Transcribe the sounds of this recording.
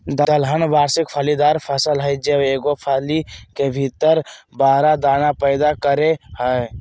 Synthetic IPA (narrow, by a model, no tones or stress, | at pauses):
d̪əd̪əlɦənʋaːɾsɪkpʰalid̪aːɾpʰəsəlɦəjd͡ʒəbeːɡopʰaːlikebʱɪt̪əɾbaːɾad̪aːnapəɪd̪akəɾehəe